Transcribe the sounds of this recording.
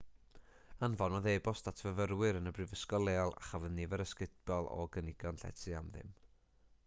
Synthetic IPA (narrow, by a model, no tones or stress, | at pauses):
anvɔnɔðejbɔstatʰvəvəɾwɪɾənəbrɨvəskɔlˠeːɔlˠa̰χavənːɪvəɾəskɪtb̥ɔlˠɔ̰ɡənɪɡɔnɬɛ̰tʰiamðɪ̰m